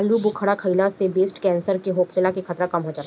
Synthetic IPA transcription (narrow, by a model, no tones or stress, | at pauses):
lubʊkʰəɽakʰəilasebeːsʈkɛ̃ːnsəɾkeɦoːkʰeːlakikʰɐt̪ɾakɐmɦod͡ʒaːt̪ː